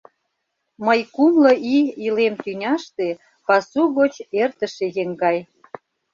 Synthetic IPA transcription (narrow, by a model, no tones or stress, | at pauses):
məjkumlə̆ʔiilemt̪ynʲɑʃt̪e | pɑsuɣot͡ɕert̪əʃejeŋɡɑj